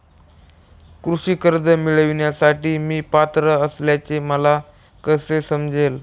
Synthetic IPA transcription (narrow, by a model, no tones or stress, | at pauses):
kɾuɕiːkəɾd̪ʱəmiɭəʋɳjasaʈiːmiːpat̪ɾəəsljat͡seməla | kəsesəmd͡zʱel